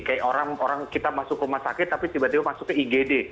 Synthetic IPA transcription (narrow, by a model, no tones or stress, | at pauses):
kajaʔoɾaŋoɾaŋkit̪amasʊkəmasakɪt̪ːapit̪ibat̪ibamasukɛiɡede